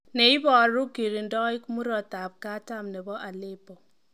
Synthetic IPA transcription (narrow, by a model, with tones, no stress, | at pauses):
ne˨i˦bɔ˨ɾu˦ki˨ɾi˨ndɔ˦i˦kmu˦ɾɔ˨ta˨p̚ka˦ta˦˨mnɛ˨bɔ˦ʔa˨le˦pɔ˨